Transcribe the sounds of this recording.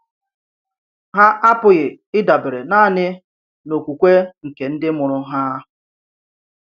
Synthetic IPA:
ɦa˦ʔa˦pʊ˨ɣɪ˨ | ɪ˦da˨bɪ˨ɾe˨na˦˨nɪ˦ | no˨kʷu˨kʷe˦ŋ̩˨ke˨n̩˦dɪ˦mʊ˨ɾʊ˨ɦa˦

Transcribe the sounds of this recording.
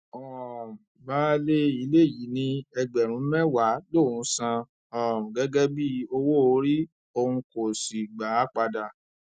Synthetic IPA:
ɔ˨baː˦le˦i˨˦le˦˨ji˨˦nĩ˧ɛ˧ɡ͡bɛ˨ɾ̃ũ˨˦mɛ˦wa˨˦lo˦˨ũ˨˦sã˧ | ɔ˨ɡɛ˨˦ɡɛ˦bi˦o˧wo˦o˦ɾi˦ | o˧hũ˧ko˨si˨ɡ͡ba˨˦k͡pa˧da˨

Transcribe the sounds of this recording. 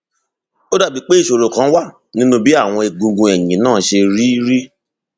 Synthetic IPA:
o˦da˦˨bi˨˦k͡pe˦i˦˨ʃo˨ɾo˨kã˨˦wa˦˨ | nĩ˦nũ˦bi˦a˦˨w̃ɔ̃˧e˨ɡũ˧ɡũ˧ɛ˨ɲĩ˨˦nãː˦˨˦ʃe˧ɾi˦ɾi˦

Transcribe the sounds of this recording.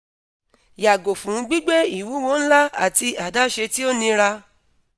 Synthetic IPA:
ja˨ɡo˨fũ˨˦ɡ͡bi˦ɡ͡be˦i˨wu˨˦wo˧˦ñ̩˦la˦a̰˦˨ti˧a˨da˦ʃe˧ti˦o˦nĩ˧ɾa˧

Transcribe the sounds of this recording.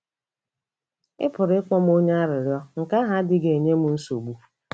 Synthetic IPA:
ɪ̰˦pʊ˨ɾɪ˦k͡pɔ˦m˦o˦ɲe˦a˦ɾɪ˨ɾjɔ˦ŋ̩˨ka˦ɦa˦dɪ˦ɡe˨ɲe˦mu˨n̩˦so˨ɡ͡bu˦

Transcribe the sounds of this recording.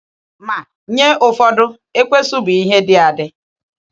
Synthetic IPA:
ma˨ | ɲe˦ʊ˨fɔ˦dʊ˦ | e˦kʷe˦su˦bi˦ɦe˦dɪ˦a˨dɪ˦

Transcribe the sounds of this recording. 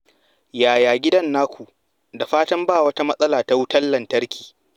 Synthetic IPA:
jaː˨jaː˨ɡʲɪ˦dɐ˦nːaː˦kʷu˨ʔ | da˨ɸaː˦tɐ˦mbaː˦˨wɐ˦ta˦mɐ˦sʼɐ˦laː˨ta˦wʊ˦tɐ˦lːɐ˨ntɐ˦rkʲi̥ː˨

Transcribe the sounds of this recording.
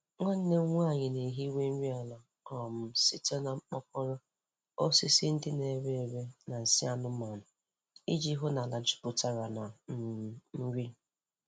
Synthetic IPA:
ŋʷa˦n̩˦ne˦ŋʷ˦a˦˨ɲɪ˨ne˨ɦi˦we˦n̩˦ɾi˦a˨la˨ | ɔ˨m̩˦si˦te˦na˨ŋ͡m̩˦k͡pɔ˦kʷɔ˦ɾɔ˦ | o˦si˦sɪ˦n̩˦dɪ˦ne˨ɾe˦e˨ɾe˦na˨n̩˨si˦a˦nʊ˦ma˨nʊ˨ | i˦d͡ʒi˦ɦʊ˦na˨la˨d͡ʒi̥˨˦pʊ˨ta˦ɾa˨na˨˦ | ɾi˦˨

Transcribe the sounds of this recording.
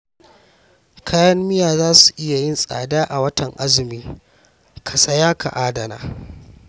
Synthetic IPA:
kʰaː˦jɐ˦mːɪ˦jaː˨zaː˦su˨ʔɪ˦ja˨jɪ˦nsʼa̰ː˨daː˦ʔa˨wɐ˦tʰɐ˨ŋʔa˦zɪ˨miː˦ | kʰɐ˨sɐ˦jaː˦kʰa̰˨ʔaː˦dɐ˨na̰ː˨

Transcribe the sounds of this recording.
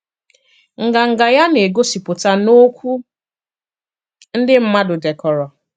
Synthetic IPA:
ŋ̩˨ɡa˨ŋ̩˨ɡa˨ja˦ne˨ɡo˦si˨pʊ˨ta˦no˦kʷu˦ | n̩˦dɪ˦m̩˦ma˦dʊ˨de˨kɔ˨ɾɔ˨

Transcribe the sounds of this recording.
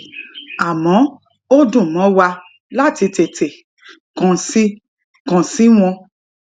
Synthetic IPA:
a˨mɔ̃˨˦ | o˦dũ˦˨mɔ̃˨˦wa˧ | la˦˨ti˧te˨te˨ | kã˨si˦ | kã˨si˦w̃ɔ̃˧

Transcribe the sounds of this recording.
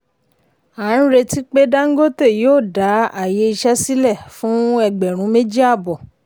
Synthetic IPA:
a˨ɾ̃ũ˦ɾe˧ti˦k͡pe˦da˦ŋ̩˦ɡo˦te˦˨joː˦˨da˨˦a˨je˨˦i˧ʃɛ˦si˦lɛ˦˨fũ˨˦ɛ˧ɡ͡bɛ˨ɾ̃ũ˨˦mẽ˦d͡ʒi˦a˦˨bɔ˨

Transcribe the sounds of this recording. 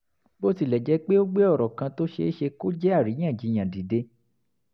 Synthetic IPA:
bo˦ti˦˨lɛ˨d͡ʒɛ˨˦k͡pe˦o˦ɡ͡be˦ɔ˦˨ɾɔ˨kã˧to˦ʃḛ˧˦ʃe˧ko˦d͡ʒɛ˦a˦˨ɾĩ˨˦ã˦˨d͡ʒi˨˦˧j̃ã˨di˨de˧

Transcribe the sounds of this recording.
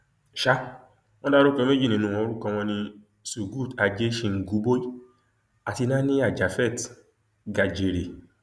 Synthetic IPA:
ʃa˧˦ | w̃ɔ̃˦da˦ɾo˦kɛ˧m˦e˦d͡ʒi˦˨ĩ˨nũ˧ɔ̃˧o˧˦ɾu˦kã˧w̃ɔ̃˧nĩ˧ | su˨ɡu˦˨ta˨d͡ʒe˦ʃĩ˧˨ŋ̩˨ɡu˨˦bo˦i˦ | a˨ti˧nã˦nĩ˦a˦˨d͡ʒa˨fɛ˦˨t | ɡa˨d͡ʒe˨ɾe˨

